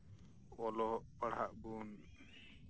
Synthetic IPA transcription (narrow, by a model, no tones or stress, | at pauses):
ɔlɔʔpaɽ̤aʔbun